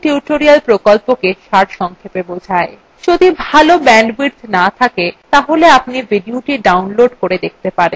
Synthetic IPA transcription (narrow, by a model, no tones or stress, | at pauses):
ʈiuʈoɾialpɾokolpokeʃaɾʃɔŋkʰepebod͡ʑʱae | d͡ʑod̪ibʱalobɛɳɖbɾiɾd̪ʱnat̪ʰaket̪aɦoleapniviɖioʈiɖawnloɖkoɾed̪ek̚t̪epaɾen